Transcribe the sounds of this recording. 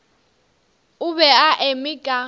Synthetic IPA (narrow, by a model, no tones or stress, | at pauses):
ʊβɛaʔemiɡ̥ʱa